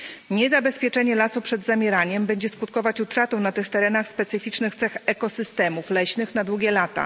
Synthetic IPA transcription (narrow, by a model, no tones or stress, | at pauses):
ɲɛzabɛspʲjɛt͡ʂɛɲɛlasupʂɛd̪zamʲjɛɾaɲɛmbɛɲd͡ʑɛskut̪̚kɔvat͡ɕut̪ɾat̪ɛ̃nat̪ɘxt̪ɛɾɛnaxspɛt̪sɘfʲit͡ʂnɘxt̪sɛxɛkɔsɘst̪ɛmuflɛɕnɘxn̪ad̪wuɡʲɛlat̪a̰